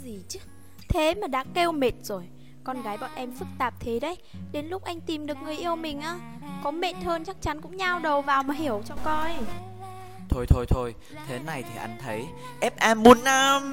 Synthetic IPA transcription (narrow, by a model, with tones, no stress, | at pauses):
zi˨˩t͡ɕɨ˦˥ | t̪ʰe˨˦maː˨˩ɗa̰ː˧˥ke˧wme˨˩t̚z̥o˨˩j | kɔ˧nɣaː˨˦jɓɔ̰˧˨nʔɛ˧mfɨ˦˥k̚t̪aː˨˩p̚t̪ʰe˨˦ɗə˧˦jɗe˨˦nlʊ˦˥k͡p̚ʔa˧jŋ̟t̪i˨˩mɗɨ˨˩ək̚ŋɨ˨˩əjʔi˧əwmï˨˩ŋ̟ʔaː˨˦ | kɔ˨˦me˨˩t̚həː˧nt͡ɕa˦˥k̚t͡ɕa˨˦nkʊ̰˧˥ŋ͡mɲa˧wɗə˨˩wvaː˨˩wmaː˨˩hi˧˩əwt͡ɕɔ˧kɔ˧j | t̪ʰo˧jt̪ʰo˧jt̪ʰo˧j | t̪ʰe˨˦na˨˩jt̪ʰi˨˩ʔa˧jŋ̟t̪ʰə˨˦j | ʔɛ˦˥p̚ʔaː˧mːu˨˦nːaː˧m